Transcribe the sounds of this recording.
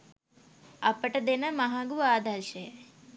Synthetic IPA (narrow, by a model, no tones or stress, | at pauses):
ɐpəʈəd̪enəmɐɦaɡuʋaːd̪ʱɐɾʃəjə